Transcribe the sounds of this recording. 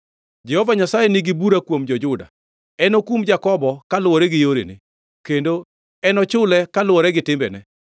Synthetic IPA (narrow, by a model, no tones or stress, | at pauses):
d͡ʒɛhɔvaɲasajenɪɡɪbuɾakwomd͡ʒɔd͡ʒʊda̰ | ɛnokumd͡ʒakɔbɔkalʊwɔɾɛɡɪjoɾḛnɪ̰ | kendo | ɛnɔt͡ʃʊlɛkalʊwɔɾɛɡɪtɪmbɛnɛ